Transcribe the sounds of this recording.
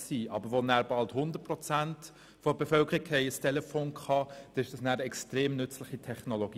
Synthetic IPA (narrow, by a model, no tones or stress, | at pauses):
siːʔɑ̰bəɾʋonæːɾb̥ɑlthʊnd̪ət̚pʁɔt͡sænt | fobefœlkʰəɾikhɛɪəstʰɛlɛfoːnkχɑd̥ɛɪʃd̥ɑsnæːɾɛkstʁeːmnʏt͡slɪχitʰɛχnoloɡi